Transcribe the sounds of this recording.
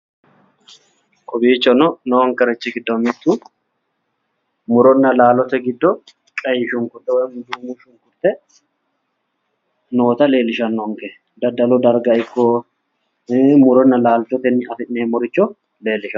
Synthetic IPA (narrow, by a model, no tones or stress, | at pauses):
kʼɔbiːt͡ʃːɔnɔnɔɐŋkɐɾɛt͡ʃːɪɡɪd̪ːɔmɪt̪ːu | mʊɾɔnːɐlaːlɔt̪ɛɡɪd̪ːɔ | kʼɐjɪʃʊŋkʊt̪ːɛwɔjmʊd̪uːmuʃʊŋkʊɾt̪ʼːɛ | no̞ːt̪ɐle̞ːlːɪʃɐnːɔŋkɛ | d̪ɐd̪ɐlɔd̪ɐɾɡɐɪkːɔ | mʊɾɔnːɐlaːlt̪ɔt̪ɛnːɪɐfɪʔneːmɔɾɪt͡ʃːɔ | le̞ːlːɪʃɐ